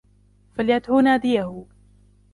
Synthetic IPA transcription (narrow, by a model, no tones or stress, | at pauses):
faljat̪hʊnaːd̪ɪjahʊ